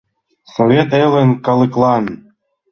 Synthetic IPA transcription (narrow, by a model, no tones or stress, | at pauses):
sovʲet̪elɘ̆nkɑlˠɨklˠɑn